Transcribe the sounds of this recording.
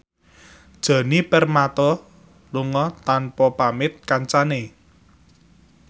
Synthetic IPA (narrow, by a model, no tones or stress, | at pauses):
d̥ʒ̥ä̤nipɛrmat̪ɔ | luŋɔt̪anpɔpamɪt̪̚kaɲt͡ʃane